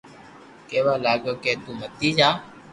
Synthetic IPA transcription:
keːʋaːlaːɡjoːkeːt̪uːmət̪ːiːd͡ʒaː

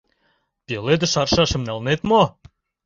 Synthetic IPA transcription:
pʲeled̪ə̆ʃɑrʃɑʃə̆mnɑlnet̪mo

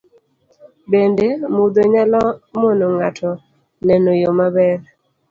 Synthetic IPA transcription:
bendemud̪oɲalɔmonoŋatʰɔ | nɛnojomabɛɾ

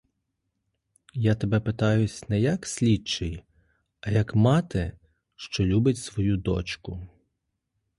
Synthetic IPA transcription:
jat̪ebɛpet̪ɑjʊsʲnɛjɐksʲlʲit͡ʃɪj | ɐjɐkmɑt̪ɪ | ʃt͡ʃɔlʲubɪtʲsʋɔjud̪ɔ̰t͡ʃkʊ

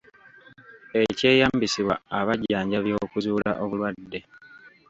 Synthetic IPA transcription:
e̞ce̞ːjambisiβwa̰aβaɟaːɲɟaβjo̞ːkuzuːla̰ʔo̞βulwadːe̞

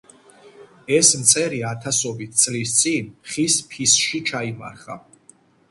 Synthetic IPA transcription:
ɛsmt̪sʰʼɛɾiat̪ʰasɔbit̪ʰt̪sʼlist̪sʼinχispʰisʃit͡ʃʰaima̰ɾχa̰

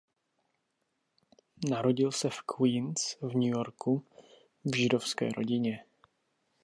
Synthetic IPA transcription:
naɾo̞ɟɪlsɛfkwinsvɲujo̞ɾku | vʒɪdo̞fskɛ̰ːɾo̞̰ɟɪɲɛ

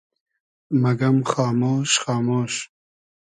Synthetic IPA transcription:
mɐɡɐmχɑːmoːʃχɑːmoːʃ

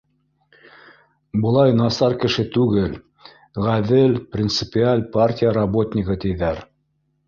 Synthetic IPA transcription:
bɤ̆lˠɑjnɑsɑɾkɘ̆ʃɘt̪ʉɡɘl | ʁæðɘlprʲɪnt̪sɘ̥pʲɪalʲpartʲijəɾɐbo̞t̪ʲnʲɪkɤt̪ɘ̆jðæɾ

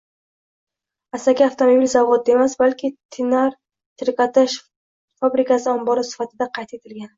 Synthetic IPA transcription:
asakʲaaft̪ʰomobilzavɒd̪emasbalkʲʰɪt̪ʰɪnaɾ | t̪ʰɪɾkʲat̪ɪʃ | fabɾɪkasɪambɒɾasɪ̥fat̪ʰɪd̪aqʰɑjt̪ʰet̪ʰɪlɡʲan

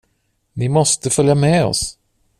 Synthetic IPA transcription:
nɪmɔst̪əfœljamɛːɔ̰s

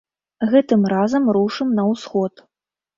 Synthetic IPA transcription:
ɣɛt̪ɨmrazɐmɾuʂɨmnɐwsxɔt̪

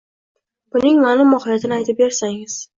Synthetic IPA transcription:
bʊnɪŋmanɪmːɒhljat̪ʰɪnɪajt̪ʰɪp̚beɾsaŋɪz̥

